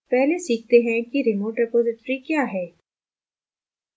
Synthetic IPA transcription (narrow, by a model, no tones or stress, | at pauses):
pɛɦlesiːk̚t̪eɦɛ̃kiɾɪmoːʈɾɛpoːzɪʈɾikjaːɦɛː